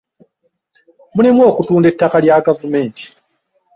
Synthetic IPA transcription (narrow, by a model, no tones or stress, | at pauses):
mulimwo̞ːkutuːndetːakaljaɡavume̞ːnti̥